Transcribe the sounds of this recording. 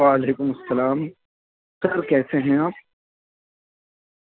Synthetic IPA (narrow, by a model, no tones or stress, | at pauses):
aːɐleːkʊmɐsːɐlaːm | sɐɾkɛːseɦɛ̃aːp̚